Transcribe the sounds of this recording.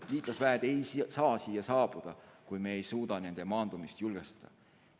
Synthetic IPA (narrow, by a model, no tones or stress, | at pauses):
liːt̪lɑsvæed̪̥ejsɑːsiːjːɑsɑːb̥ud̪̥ɑkujmeejsuːd̪̥ɑne̞nd̪̥e̞mɑːnd̪̥umist̪julɡ̥est̪ɑ̥d̪̥ɑ̰